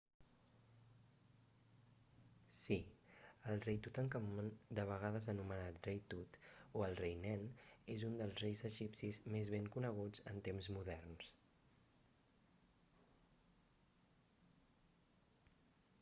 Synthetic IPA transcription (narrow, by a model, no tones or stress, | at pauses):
siəlˠrejt̪ut̪əŋkəmd̪əβ̞əɣ̞aðəzənumənat̪rejt̪ut̪oəlˠrejnɛnezund̪əlˠzrejzəʒipsizmezβeŋkunəɣ̞ud͡zə̰nt̪emzmuðɛrns